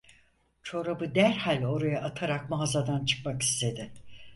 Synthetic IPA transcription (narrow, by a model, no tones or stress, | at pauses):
t͡ʃʰo̞ɾabɯd̪æɾhalʲo̞ɾajaʔat̪ʰaɾak̚mazad̪ant͡ʃʰɯ̥kmaki̥st̪ʰe̞d̪ɪ